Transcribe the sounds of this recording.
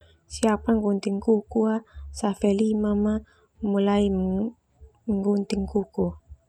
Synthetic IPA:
siapaŋɡunt̪ɪŋkukuasafɛlimama | mulai | ŋɡunt̪ɪŋkuku

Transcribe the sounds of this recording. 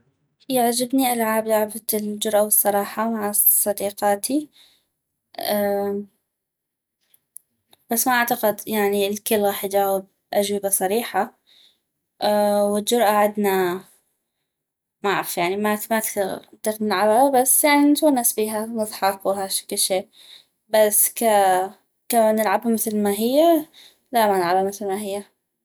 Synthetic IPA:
jɪʕd͡ʒɪbniʔalʕaːbjaʕabald͡ʒʊɾʔawɨsˤːɑɾˤɑːħɑmaʕasˤːɑd̪iːqɑːt̪ʰi | a | b̥asːmaʔaʕt̪aqɪd̪jaʕnilkɪlːɣaːħjd͡ʒaːwɪb̚ | ʔad͡ʒwɪbasˤɑɾiːħa | wɪld͡ʒʊɾʔaʕɪd̪na | maaʕɾfjaʕnimamat̪ɪɣnɪlʕalalabasːjaʕnint̪unːasbiːɦanɨðˤħɑqwɦaʃḁkɪlʃeː | baska | kanɪlʕabhamɪθlmaɦɪjːa | lamanʕalamɪθlmaɦɪjːa

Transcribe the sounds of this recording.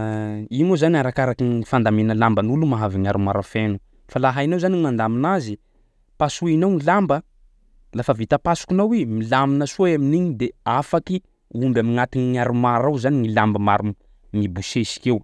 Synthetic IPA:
imozaniaɾakaɾakinifand̪amenəlambanulumaɦaviɲaɾumaɾafenu | falaɦainawzanimand̪aminazi | pasuinawŋilambə | lafəvit̪əpasu̥kinawimilaminəsoaminiɲid̪eafaki | umbamiŋat̪iniŋaɾumaɾawzaniŋilambəmaɾum | mibuʃesi̥kew

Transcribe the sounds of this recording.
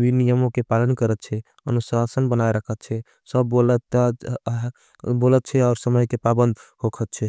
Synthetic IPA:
binijəmokepalənkəɾət̪̚t͡ʃʰɛ | ənusasənbənajɾəkʰət̪̚t͡ʃʰɛ | səbːolət̪ | bolət̪̚t͡ʃʰɛɔʊɾsəməjkepabənd̪ʱhokʰət̪̚t͡ʃʰɛ

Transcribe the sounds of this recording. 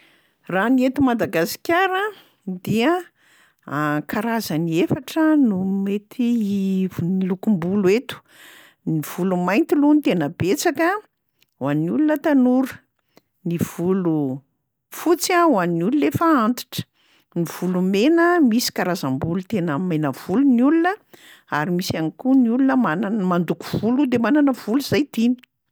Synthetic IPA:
raniet̪umad̪aɡasi̥kʲaɾə | d̪iə | akaɾazəniefaʈ͡ʂənumet̪ʰi | nilukumbuluet̪u̥ | niv̥ulumajnt̪ilunit̪enəbet͡sakə | wanulunət̪anuɾə̥ | niv̥ulu | fut͡sawanululefaant̪i̥ʈ͡ʂə̥ | niv̥ulumenəmisi̥kaɾazambulut̪enəmenəv̥ulunulunə | aɾimisanikuniulunəmananmand̪uku̥v̥ulud̪emananəv̥uluzajt̪ini̥

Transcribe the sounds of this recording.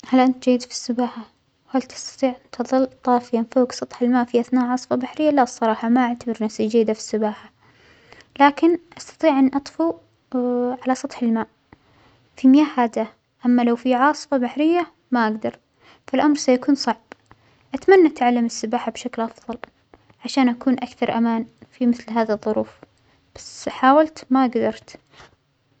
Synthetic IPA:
halʔant̪d͡ʒajːɪd̪fi̥sːʊbaːħa | whalt̪ɑ̥st̪ɑ̥t̪ˤiːʕʔɪnt̪ʰɨðˤɨlːt̪ˤɑːfjanfoːksˤɑt̪ˤħɪlmaːʔfiʔaθnaːʔʕɑːsˤfɑbaħɾɪjːalasˤːɑɾˤɑːħɑmaʔaʕt̪abɪɾnasid͡ʒajːd̪afi̥sːʊbaːħa | laːkɪnʔɑst̪ɑ̥t̪ˤiːʕʔanːʔɑt̪ˤfu | ʕalasˤɑt̪ˤħɪlmaːʔ | fimɪjaːhaːd̪a | ʔamːalawfiʕɑːsˤɨ̥fɑbaħɾɪjːa | maʔaɡd̪ɑɾˤ | falʔamɾˤsajakuːnsˤɑʕb̥ | ʔat̪manːaʔat̪ʕalːɪmɪsːɪbaːħabʃaklʔɑfðˤɑl | ʕaʃaːnʔakuːnʔakθɑɾˤʔamaːnfimɪθlɦaːðiðˤːʊɾuːf | b̥ḁsħaːwalt̪maʔaɡd̪ɑɾˤt̪

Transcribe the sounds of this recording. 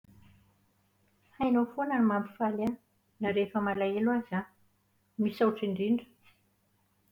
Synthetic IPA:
hajnofonanimambi̥fala | naɾefəmalaelwaza | misauʈ͡ʂiɳɖ͡ʐiɳɖ͡ʐə̥

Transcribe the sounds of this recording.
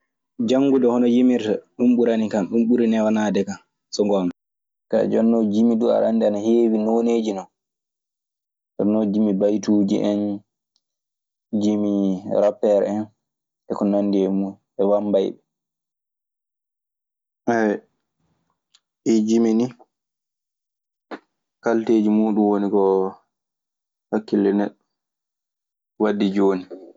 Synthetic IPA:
d͡ʒaŋɡudɔhɔnɔjimiɾtaɗumɓuɾanikanɗumɓuɾinɛwanaːdɛkan | sɔŋɡɔana | ka̰d͡ʒɔnːɔd͡ʒimidua̰ɾanːdianaheːwinoneːd͡ʒinɔn | ɔ̰nːɔd͡ʒimibajtuːd͡ʒḭʔɛn | d͡ʒimiɾapːɛɾɛ̰ɛn | ɛkɔnanːdiɛmu | ɛwambajɓɛ | ʔɛwɛ | ʔid͡ʒimini | kalteːd͡ʒimuːɗumwonikɔ | hakːilɛnɛɗɔ | wadːid͡ʒoni

